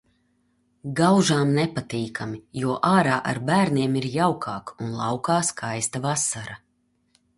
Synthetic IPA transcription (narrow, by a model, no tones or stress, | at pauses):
ɡawʒaːmnɛpat̪iːkʰamijuɔʔaːɾaːʔa̰ɾbæːɾniɛmiɾjawkʰaːkunlˠɑ̰wkaːskʰajst̪avasaɾa